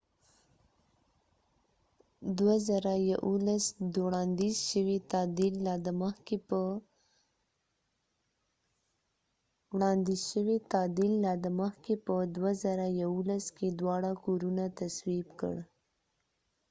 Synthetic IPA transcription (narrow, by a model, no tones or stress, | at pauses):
d̪wazaɾajaʔulasd̪oɽɑnd̪izʃəwet̪ɑd̪ilːɑd̪əməxkeə | wɽɑnd̪izʃəwet̪ɑd̪ilːɑd̪əməxkepəd̪wazaɾajawulasked̪wɑɽakoɾunat̪aswibkə̰ɽ